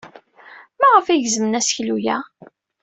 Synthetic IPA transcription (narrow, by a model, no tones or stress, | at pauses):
mæʁəfæʝzmənæsçlujæ